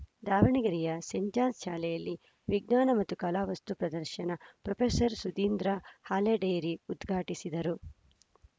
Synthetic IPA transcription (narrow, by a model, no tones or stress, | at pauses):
d̪aːʋɐɳiɡɐɾijɐseɲd͡ʒaːnsʃaːlɛjɐlːi | ʋiɡnaːnɐmɐt̪ːukɐlaːʋɐst̪upɾɐd̪ɐɾʃɐnɐpɾɐpʰeːsɐɾsud̪iːnd̪ɾahaːleːɖejɾiud̪ɡʱaːʈisid̪ɐɾu